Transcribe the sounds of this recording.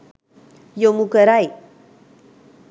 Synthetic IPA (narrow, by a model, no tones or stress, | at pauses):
jomukəɾaj